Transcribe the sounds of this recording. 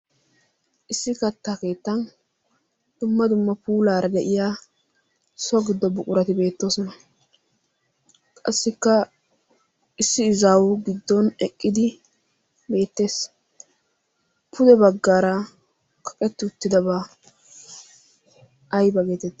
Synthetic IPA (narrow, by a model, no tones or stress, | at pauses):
ʔɪsːɪkɐt̪ːaːke̞ːt̪ːɐn | d̪̥ʊmːɐd̪ʊmːɐpuːlaːɾɐd̪ɛʔɪjaː | sɔɡɪd̪ːɔbʊkʼʊɾɐt̪ɪbe̞ːt̪ːo̞ːsɔnɐ | kʼɐ̰sːɪkːɐ | ɪsːɪːzaːwʊɡɪd̪ːɔnɛkʼːɪd̪ɪ | be̞ːt̪ːe̞ːs | pʰʊd̪ɛbɐɡːaːɾɐ | kʰɐ̥kʼɛt̪ːɪʊt̪ːɪd̪ɐba | jbɐɡe̞ːt̪ɛt̪ː